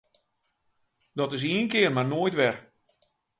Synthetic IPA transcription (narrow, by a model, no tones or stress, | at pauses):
dɔtɪs̬iənkɪərmarnoːjtʋɛr